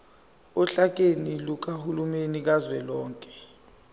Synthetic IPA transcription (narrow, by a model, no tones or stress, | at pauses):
ɔɬak̬eniluk̬ʼahulumenik̬azwɛlɔːŋkʼɛ̥